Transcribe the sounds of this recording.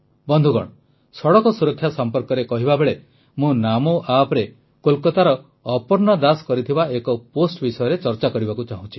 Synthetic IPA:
bɔnd̪ʱuɡɔ̰ɽ̃ɔ | sɔɽɔkɔsuɾɔkʰːjasɔmpɔɾkɔɾekɔɦibabeɭe | mũnamoʔapɾe | kolkɔt̪aɾɔː | pɔɾnɔd̪askɔɾit̪ʰibaekɔposʈbisɔjɔɾet͡ʃɔɾt͡ʃakɔɾibakut͡ʃaɦũt͡ʃʰi̥

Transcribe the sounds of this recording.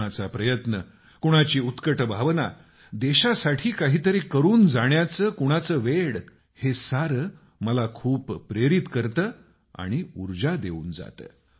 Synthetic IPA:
at͡sapɾəjət̪nə | kuɽ̃at͡ɕiːut̪kəʈbʱaʋna̰ | d̪eɕasaʈʰiːkaɦiːt̪əɾekəɾuːnd͡zaɽ̃jat͡səːkuɽ̃at͡səʋeɽ | hesaɾə | məlakʰuːpːɾeɾit̪kəɾt̪əː | a̰ɽ̃iuɾd͡ʑad̪euːnd͡za̰t̪ə̰ː

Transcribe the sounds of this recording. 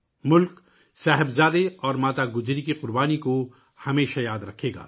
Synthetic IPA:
mʊlk | saːɦɪbzaːd̪eɔːɾmaːt̪aɡʊd͡ʒɾikiqʊɾbaːniko | hɐmeːʃajaːd̪ɾɐkʰeːɡa̰ː

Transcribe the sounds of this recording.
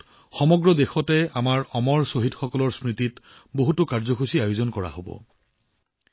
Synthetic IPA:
xɔmɔɡɹɔdexɔtɛamaɹɔmɔɹsoɦitxɔkɔlɔɹsɹititboɦutʊkaɹzɔxusiajozɔnkɔɹa̰ɦobɔ̰

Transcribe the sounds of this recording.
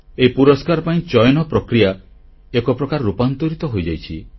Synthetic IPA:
eipuɾɔskaɾɔpaĩt͡ʃɔjɔnɔpɾɔkɾija | ekɔpɾɔkaɾːupant̪ɔɾit̪ɔɦojd͡ʒajt͡ʃʰi

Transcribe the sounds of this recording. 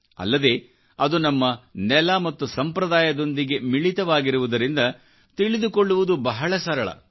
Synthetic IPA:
ɐ̰lːɐd̪e̞ː | ɐd̪unɐmːɐnɛlɐmɐt̪ːusɐmpɾɐd̪aːjɐd̪o̞nd̪iɡe̞miɭit̪ɐʋaːɡiɾuʋud̪ɐɾind̪ɐ | t̪iɭid̪uko̞ɭːuʋud̪ubɐɦɐɭɐsɐɾɐɭɐ̰

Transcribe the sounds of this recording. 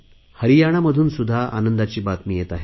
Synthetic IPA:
həɾijaɽ̃aməd̪ʱuːnsud̪ʱːaʔa̰nənd̪at͡ɕiːbat̪mijet̪aɦe

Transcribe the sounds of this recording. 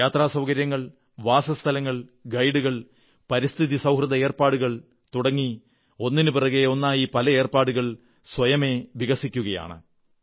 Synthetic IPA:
jaːt̪raːsɐwkɐɾjɐŋːɐɭ | ʋaːsɐst̪ʰɐlɐŋːɐɭɡɐjɽuɣɐɭ | pɐɾist̪ʰiðisɐwɦrɨðɐe̞ːrpaːɽuɣɐɭ | t̪uɽɐŋːi | o̞nːinɨpirɐɣeo̞nːaːjipɐlɐeːrpaːɽuɣɐɭ | swɐjɐme̞ʋiɣɐsikʲːuɣɐja̰ːɳɨ̰

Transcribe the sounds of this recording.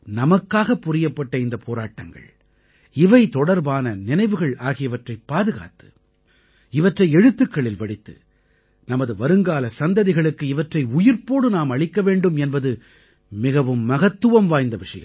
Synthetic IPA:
nɐmɐkːaːɣɐpːʊɾɪjɐpːɐʈːɐɪnd̪ɐpʰoːɾaːʈːɐŋɡɐ̰ɭ | ɪʋɐɪt̪ɔɽɐɾbaːnɐnɪnɐɪʋɯɣɐɭaːɣɪjɐʋɐʈrɐɪpːaːðɯɣa̰ːt̪ɯ̥ | ɪʋɐʈrɐɪɛɽɯt̪ːɯkːɐɭɪlʋɐɽɪt̪ːɯ̰ | nɐmɐðɯʋɐɾɯŋɡaːlɐsɐnd̪ɐðɪɣɐɭɯkːɯɪʋɐʈrɐɪʊjɪɾpoːɽɯnaːmɐɭɪkːɐʋeːɳɖɯmɛnbɐðɯ | mɪɣɐʋɯmːɐɣɐt̪ːɯʋɐmʋaːjnd̪ɐʋɪʂɐjɐ̰

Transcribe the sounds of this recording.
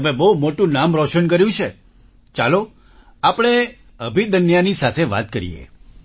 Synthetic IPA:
əmebəumoʈũnamɾɔʃənk̬əɾjũt͡ʃʰe | t͡ʃalo | apəɽ̃e | əbʱid̪ənjanisat̪ʰeʋa̰t̪̚kəɾḭjḛ

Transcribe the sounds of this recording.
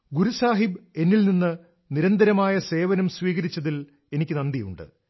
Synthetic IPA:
ɡuɾusaːɦibe̞nːilninːɨ | niɾɐnd̪ɐɾɐmaːjɐse̞ːʋɐnɐmsʋiːɣɐɾit͡ɕːɐðil | e̞nikʲːɨnɐnd̪ijṵɳɖɨ̰

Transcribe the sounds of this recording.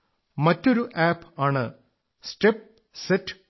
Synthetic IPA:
mɐtːoɾuʔaːpaːɳɨ | sʈep̚ | seʈː

